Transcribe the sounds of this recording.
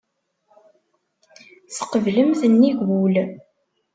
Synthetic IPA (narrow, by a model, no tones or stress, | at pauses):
θə̥qəvləmθənːiʝwul